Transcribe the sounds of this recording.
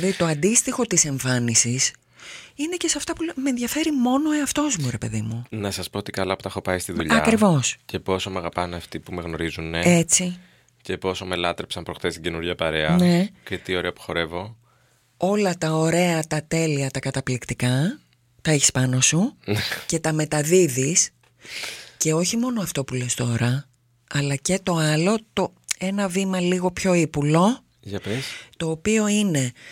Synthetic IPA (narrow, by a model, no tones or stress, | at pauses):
ðit̪o̞ɐnd̪ist̪ixo̞t̪ise̞ɱfɐnisis | inece̞sɐft̪ɐpulmenðʝɐfe̞ɾimo̞no̞eɐft̪o̞zmuɾe̞pe̞ðimunɐsɐspoot̪ikɐlɐpot̪ɐxo̞pɐist̪iðṵʎɐɐkɾivo̞sce̞po̞so̞mɐɣɐpɐneɐft̪ipume̞ɣno̞ɾizuneet͡si | ce̞po̞so̞me̞lɐt̪ɾepsɐnpɾo̞xt̪est̪iɟe̞nuɾʝɐpɐɾe̞ɐne̞cet̪io̞ɾeɐpu̥xo̞ɾe̞vo̞ | o̞lɐt̪ɐo̞ɾe̞ɐt̪ɐt̪e̞liɐt̪ɐkɐt̪ɐplikt̪ikɐ | t̪ɐeçi̥spɐno̞sunce̞t̪ɐme̞t̪ɐðiðis | ce̞o̞çimo̞noɐft̪o̞pule̞st̪o̞ɾɐ | ɐlɐce̞t̪o̞ɐlo̞t̪o̞ | e̞nɐvimɐliɣo̞pço̞ipulo̞ | ʝɐpest̪o̞ːpio̞ine̞